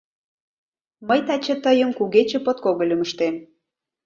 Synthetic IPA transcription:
məjt̪ɑt͡ɕĕt̪əjəmkuɣet͡ɕĕpot̪̚koɣəlʲyməʃt̪em

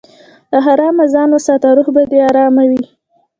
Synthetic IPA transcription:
d̪əɦaɾɑmazɑnosɑt̪aɾuhbad̪eɑɾɑmawi

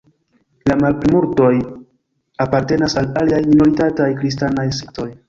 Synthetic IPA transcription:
lamalpɾimuɾto̞j | apaɾte̞nasalaliajmino̞ɾitatajkɾis̬tanajsek̚to̞j

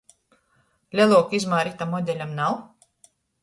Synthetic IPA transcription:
lʲɛlˠuːkizmaːɾit̪amɔd̪ʲɛlʲamnaw

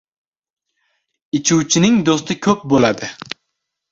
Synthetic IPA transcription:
ɪt͡ʃʰuwt͡ʃʰɪnɪŋd̪ost̪ɪkʲʰɵp̚bolad̪ɪ

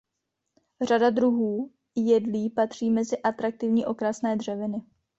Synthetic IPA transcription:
r̝adad̪ɾuɦuː | jɛdliːpat̪r̝̥iːmɛzɪʔat̪ɾak̚t̪ɪvɲiːʔo̞kɾasnɛːdr̝ɛvɪnɪ

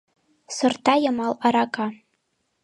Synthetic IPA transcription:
sɨrtʰajamalaɾakʼa

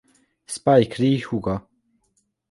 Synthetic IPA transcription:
spajkʰɾiːhuɡa

